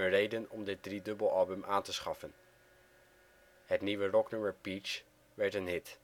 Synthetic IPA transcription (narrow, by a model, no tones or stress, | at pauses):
ərejdənɔmdɪt̚dridɵbəlˠɑlˠbəmʔaːntəsχɑfən | hətniʋərɔknɵməɹpit͡ʃ | ʋɛɹtənɦɪt